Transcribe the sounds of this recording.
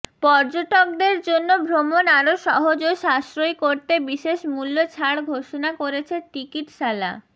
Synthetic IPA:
pɔɾd͡ʑoʈok̚d̪eɾd͡ʑonːobʱɾomonaɾoʃɔɦod͡ʑoʃaʃɾojkoɾt̪ebiʃeʃmulːot͡ɕʰaɽɡʱoʃonakoɾet͡ɕʰeʈikiʈʃala̰

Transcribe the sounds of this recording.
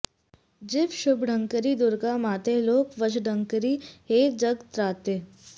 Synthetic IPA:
d͡ʒɪʋʃʊbɖʱəŋkəɾid̪ʊɾɡamaːt̪eloːkʋəd͡ʒɖʱəŋkəɾiɦeːd͡ʒəɡt̪ɾaːt̪eː

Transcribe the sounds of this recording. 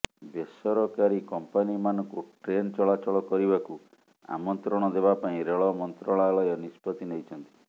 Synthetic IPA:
besɔɾɔkaɾikɔmpanimanɔŋkuʈɾent͡ʃɔɭat͡ʃɔɭɔkɔɾibaku | a̰mɔnt̪ɾɔɽ̃ɔd̪eβapaĩɾeɭɔmɔnt̪ɾɔɭ̃alɔjɔnispɔt̪inejt͡ʃʰɔnt̪i̥

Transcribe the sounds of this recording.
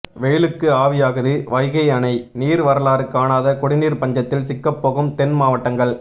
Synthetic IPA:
ʋeːlɯkːɯaːʋɪjaːɣɐðɯʋɐɪɣɐɪɐnɐɪniːɾʋɐɾɐlaːɾɯkːaːnaːðɐkɔɽɪniːɾpɐɲd͡ʒɐt̪ːɪlsɪkːɐpːoːɣɯmt̪ɛnmaːʋɐʈːɐŋɡɐɭ

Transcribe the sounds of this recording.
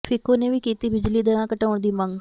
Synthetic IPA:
pʰɪkõːneːʋiːkiːt̪iːbɪd͡ʒliːd̪əɾãːkəʈaːʊɳd̪iːməŋɡ

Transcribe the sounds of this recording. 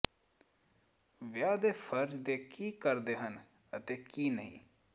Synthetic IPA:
ʋjaːd̪efʰəɾd͡ʒd̪eːkiːkəɾd̪eːɦən | ət̪ekiːnəɦḭ̃ː

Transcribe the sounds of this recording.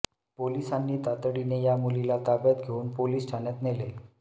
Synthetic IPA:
polisanːiːt̪at̪ɽinejamulilat̪abjat̪ɡʱeuːnpoliːsʈʰaɳjat̪nele

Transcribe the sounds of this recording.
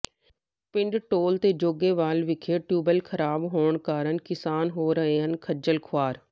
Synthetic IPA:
pɪ̃ɳɖʈoːlt̪eːd͡ʒoːɡeːʋaːlʋɪkʰeːʈjuːbəlkʰəɾaːbɦoːɳkaːɾəɳkɪsaːnɦoːɾəɦeːɦənkʰəd͡ʒəlkʰwaːɾ

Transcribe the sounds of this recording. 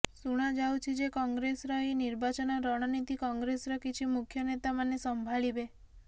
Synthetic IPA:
suɽ̃ad͡ʒawt͡ʃʰid͡ʒekɔŋɡɾesɾɔiniɾbat͡ʃɔnɔɾɔɽ̃ɔnit̪ikɔŋɡɾesɾɔkit͡ʃʰimukʰjɔnet̪amanesɔmbʱaɭibe

